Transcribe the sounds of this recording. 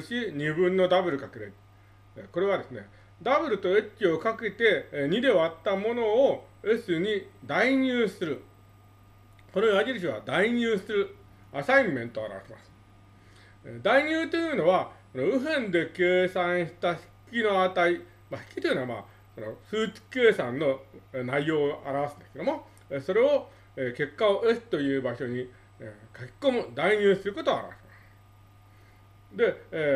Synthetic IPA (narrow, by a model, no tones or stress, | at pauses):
ɕiɲ̟ibɯ̟̃nːo̞d̪abɯ̟ɾɯ̟kake̞ɾe | ko̞ɾe̞β̞ad̪e̞sɨne̞̰ | d̪abɯ̟ɾɯ̟t̪o̞e̞kʲːio̞kake̞t̪e̞ɲ̟id̪e̞oat̪ːamo̞no̞o | esɨɲ̟id̪aiɲ̟ʲɨːsɨɾɯ̟ | konoaɡʲiɾɯɕ̬iβa̰d̪aiɲ̟ʲɨːsɨɾɯ̟ | asaimmːẽ̞nt̪oa̰ɾa̰βaɕima̰sɨ̥ | ed̪aiɲ̟ʲɨːt̪ojɯːno̞βako̞no̞ɯ̟ɸẽ̞nd̪e̞ke̞ːsãɰ̃ɕi̥t̪açi̥kʲino̞at̪ai | maçi̥kʲi̥t̪oiɯ̟noama̰ | ko̞no̞sɨːt͡si̥ke̞ːsãnːo̞naijo̞ːʔaɾaβasɨ̃nd̪esked̪omo̞ | eso̞ɾe̞o̞ | eke̞kːaoʔe̞sɨ̥t̪o̞jɯ̟ːbaɕo̞ɲ̟i | ekakʲi̥ko̞mɯ̟d̪aiɲ̟ɨːsɨɾɯ̟ko̞t̪oa̰ɾa̰βa̰ɕemasɨ̥ | d̪e̞